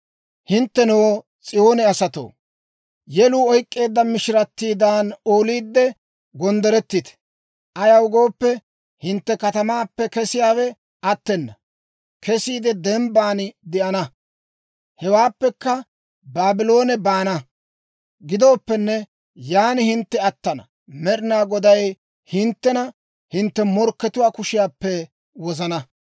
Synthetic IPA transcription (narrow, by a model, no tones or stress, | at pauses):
hɪnt̪ːɛnow | t͡sʼɪjo̞ːnɛɐsɐt̪o̰ː | jɛluːɔjkʼːe̞ːd̪ːɐmɪʃɪɾɐt̪ːiːd̪aːno̞ːliːd̪ːɛ | ɡɔnd̪ɛɾɛt̪ːɪt̪ɛ̥ | ʔɐjɐwʊɡo̞ːpːɛ | hɪnt̪ːɛkɐt̪ɐmaːpːɛkɛsɪjaːwɛ | ɐt̪ːɛnːɐ | kʰɛsiːd̪ɛd̪ɛmbaːnɪd̪ɛʔɐnɐ | hɛwaːpːɛkːɐ | baːbɪlo̞ːnɛbaːnɐ | ɡɪd̪o̞ːpːɛnːɛ | jaːnɪhɪnt̪ːɛɐt̪ːɐnɐ̰ | mɛɾɪnaːɡɔd̪ɐj | hɪnt̪ːɛnɐ | hɪnt̪ːɛmɔɾkːɛt̪ʊwaːkʊʃɪjaːpːɛ | wɔzɐnɐ